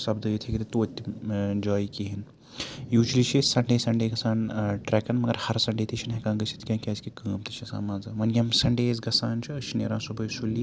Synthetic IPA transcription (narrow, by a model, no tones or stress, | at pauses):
sɐbd̪ɐjit̪ʰikit̪it̪oːt̪ʲːid͡ʒaːjkiɦin | juːd͡ʒlit͡ʃʰisɐɳɖeːsɐɳɖeːɡɐsaːnʈɾɛːkɐnmɐɡɐɾhɐɾsɐɳɖeːt̪it͡ʃʰinɦekãːnɡɐsʰi̥t̪kʲãːkʲaːskikəːmt̪ʰi̥t͡ʃʰisa̰ːmaːnzɨʋɐnɡʲɐmsɐɳɖeːzɡɐsaːnt͡ʃʰiɐʃnḛːɾãːsubɐjsulːi